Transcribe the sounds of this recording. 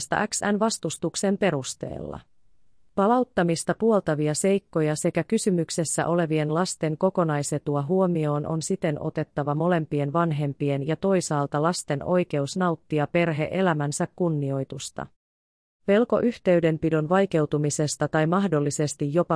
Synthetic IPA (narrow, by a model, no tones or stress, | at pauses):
st̪ɑ̰ʔæksænʋɑst̪ust̪ukse̞mpe̞ɾust̪e̞̰ːlːɑ̰ | pɑlɑwt̪ːɑmist̪ɑpuo̞lt̪ɑʋiɑse̞jkːo̞jɑse̞kækysymykse̞sːæ̰ʔo̞le̞ʋie̞nlɑst̪e̞ŋko̞ko̞nɑjse̞t̪uɑɦuo̞mio̞ːnʔo̞̰nsit̪e̞nʔo̞̰t̪e̞t̪ːɑʋɑmo̞le̞mpie̞nʋɑnɦe̞mpie̞njɑt̪o̞jsɑːlt̪ɑlɑst̪e̞no̞jke̞usnɑuwt̪ːiɑpe̞rɦe̞̰ʔe̞læmænsækkunːio̞jt̪ust̪ɑ̰ | ʋe̞lko̞̰ʔyht̪e̞yde̞mpidonʋɑjke̞wt̪umise̞st̪ɑt̪ɑjmɑhdo̞lːise̞st̪ijːo̞pɑ